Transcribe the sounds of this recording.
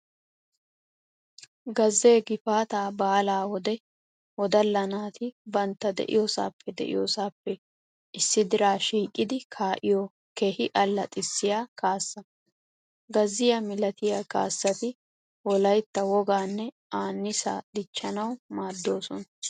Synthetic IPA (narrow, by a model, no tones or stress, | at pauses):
ɡɐzːe̞ːɡɪfaːt̪aːbaːlaːwɔd̪ɛ | wɔd̪ɐlːɐnaːt̪ɪbɐnt̪ːɐd̪ɛ̰ʔɪ̰josa̰ːpʰːɛd̪ɛ̰ʔɪ̰joːsaːpːɛ | ʔɪsːɪd̪ɪɾaːʃiːkʼːɪd̪ɪkʰaːʔɪjɔ | kehɪʔɐlːɐt̪ʼɪsːɪjaːkaːsːɐ | ɡɐzːɪjɐmɪlɐt̪ɪjaːka̰ːsːɐt̪ɪ | wɔlɐjt̪ːɐwɔɡaːnːɛ | aːnːɪsa̰ːd̪̥ɪt͡ʃːɐnɐwmaːd̪ːo̞ːsɔnɐ